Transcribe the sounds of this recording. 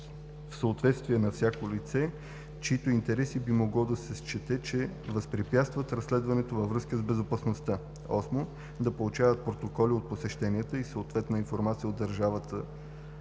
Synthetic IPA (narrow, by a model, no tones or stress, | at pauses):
fsəot̪vɛt̪st̪viɛnɐfsʲjakolit̪sɛ | t͡ʃit̪oint̪ɛɾɛsibimoɡlˠɔd̪ɐsɛst͡ʃɛt̪ɛt͡ʃɛvəspɾipʲjat̪st̪vət̪ɾɐsːlɛd̪vɐnɛt̪ovəvɾɤskəzbɛzopɐsnost̪a | ɔsmo | d̪ɐpolˠut͡ʃavət̪̚pɾot̪okɔliot̪̚posɛʃt̪ɛniət̪əisəot̪vɛt̪nəinfoɾmat̪sijəod̪ːɐɾʒavət̪ə